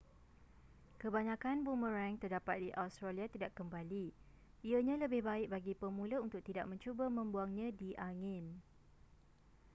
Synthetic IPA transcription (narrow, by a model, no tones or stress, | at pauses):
kəbaɲãkanbuməɾɛŋt̪ərdapat̪̚diʔawst̪ɾaliat̪idaʔkəmbali | iəɲãləbɪhbaɪk̚baɡipəmũlaunt̪ʊk̚t̪ida̰ʔ̚mə̃ɲt͡ʃubəmə̃mbuaŋɲãdiʔaŋɪ̃n